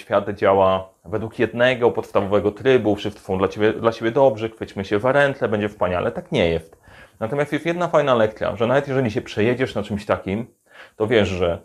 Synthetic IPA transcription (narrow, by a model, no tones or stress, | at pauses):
fʲjad̪d͡ʑawa | vɛd̪wukjɛd̪nɛɡɔpɔt̪st̪avɔvɛɡɔt̪ɾɘbupʂɘft̪sɔ̃d̪lat͡ɕebʲɛd̪lat͡ɕebʲjɛd̪ɔbʐɛxfɘt͡ɕmɘɕɛvaɾɛnt̪lɛbɛɲd͡ʑɛfspaɲa̰lʔɛ̰t̪akɲɛjɛst̪nat̪ɔmjast̪jɛst̪jɛd̪nafajnalɛk̚t̪sʲja̰ʐɛnavɛt̪jɛʐɛlʲiɕ̬ɛpʂɛjɛd͡ʑɛʂnat͡ʂɘmɕt̪akʲim | t̪ɔvʲjɛʂʐɛ